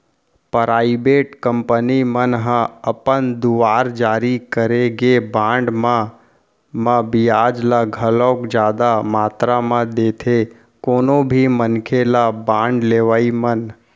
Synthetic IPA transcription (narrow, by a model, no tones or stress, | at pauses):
pəɾaːibeːʈkə̃mpənimənɦə̃əpənd̪ʊʋaːɾd͡ʒaːɾikəɾeɡebãːɳɖmã | mãbijaːd͡ʒlaɡʱəlɔːkd͡ʒjaːd̪amaːt̪ɾamãd̪eːt̪ʰe | koːnobʱimənkʰelabãːɳɖleːʋaːimən